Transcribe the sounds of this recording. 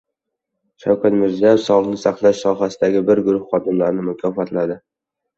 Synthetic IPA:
ʃawkʰʲat̪mɪɾziajefsɒlnɪsaχlˠaʃsɒɦasɪd̪aɡʲɪbɪɾɡʊɾʊhːɒd̪ɪmlaɾɪnɪmʊkʲʰɒfat̪lad̪ɪ

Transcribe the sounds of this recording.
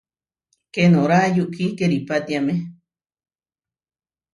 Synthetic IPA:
kenõɾaʔjuʔkikeɾipat̪iame

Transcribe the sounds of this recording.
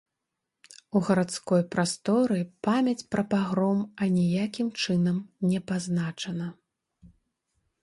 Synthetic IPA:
uɣɐɾat̪skɔjpɾast̪ɔɾɨpamʲɐt͡sʲpɾɐpaɣɾɔmɐnʲijakʲimt͡ʂɨnɐmnʲɛpaznat͡ʂɐnɐ

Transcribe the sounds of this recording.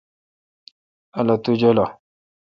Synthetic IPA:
alat̪ud͡ʒola

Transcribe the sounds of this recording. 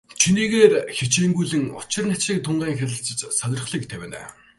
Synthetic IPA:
t͡ɕʰiniːɣeːrxit͡ɕeːŋɡujɮɘ̆ŋʊ̰t͡ɕɪ̆rnat͡ɕɮiːk̚t̪ʰʊɴɢæːŋxʲæɮʲɪ̆ɬt͡sə̆t͡ɕsœnʲɪ̆rχɮiːk̚t̪ʰæwʲæːnæ̰ː

